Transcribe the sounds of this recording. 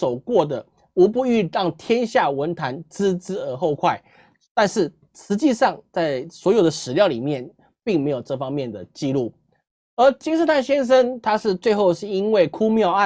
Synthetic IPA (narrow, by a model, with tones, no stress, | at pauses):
o˨˩ʊkwɔ˥˩d̪ə˩ | u˧˥pu˥˧y˥˧tɑ˥˨˩ŋt̪ʰjɛ˥nɕja˥˩wə˧˥nt̪ʰa˧˥nt͡sɹ̩˥t͡sɻ̩˥ə˧˥xo˥˧ʊkʰwa˥˩ɪ | t̪a˥˧nʂɻ̩˥˩ | ʂɻ̩˧˥t͡ɕi˥˧ʂɑ˥˧ŋt͡sa˥˩ɪswɔ˧˥jo˨˩ʊd̪ə˦ʂɻ̩˨˩ljɑ˥˩ʊli˨˩mjɛ˥˩n | pi˥˩ŋme˧˥ɪjo˨˩ʈ͡ʂɤ˥˩fɑ˥ŋmjɛ˥˩nd̪ə˩t͡ɕi˥˧lu˥˩ | ə˧˥t͡ɕi˥ŋs̩˥˧t̪ʰa˥˩nɕjɛ˥nʂ̬ə˥nt̪ʰa˥ʂɻ̩˥˧t͡swe˥˧ɪxo˥˧ʊʂɻ̩˥˩i˥nwe˥˩ɪkʰu˥mjɑ˥˧ʊa˥˨